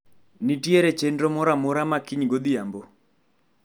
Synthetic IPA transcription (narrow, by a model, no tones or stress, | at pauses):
nitjeɾet͡ʃendɾomɔɾamɔɾamakiɲɡod̪ijambo